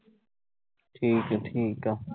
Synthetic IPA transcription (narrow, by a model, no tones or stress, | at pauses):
ʈʰiːkaʈʰiːka